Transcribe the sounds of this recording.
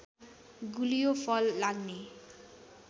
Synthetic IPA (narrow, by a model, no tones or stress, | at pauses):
ɡulijopʰʌlːaɡne